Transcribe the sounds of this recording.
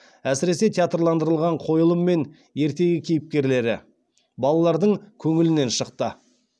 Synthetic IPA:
æsɪɾe̞se̞t̪ʰʲeat̪rlˠɑnd̪əɾəlˠʁɑɴqʰo̞jəlˠəmːe̞n | je̞ɾt̪e̞ɡʲɪkʲʰejɪp̚kʲe̞ɾle̞ɾɪ | bɑlˠɑlˠɑɾd̪əɴkʲʰɵŋɪlɪne̞nʃəqt̪ə

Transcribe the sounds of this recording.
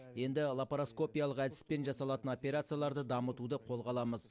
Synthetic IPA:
je̞nd̪ɪlˠapɾosko̞pijalˠəqæd̪ɪ̥spe̞nʒɑsɑlˠɑt̪əno̞pʲe̞ɾat̪sɨjalˠɑɾd̪əd̪ɑmət̪ud̪əqʰo̞lˠʁɑlˠɑməz

